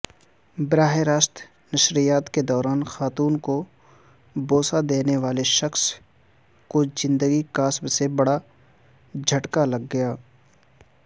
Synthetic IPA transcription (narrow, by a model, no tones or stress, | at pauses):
bɾaːɦeɾaːʃt̪ | nɐʃɾijaːt̪ked̪ɔːɾaːnxaːt̪uːnko | boːsad̪eːneʋaːleʃɐxs | kod͡ʒɪ̃nd̪əɡikaːsbsebɐɽa | d͡ʒʱɐʈkalɐɡːɐjaː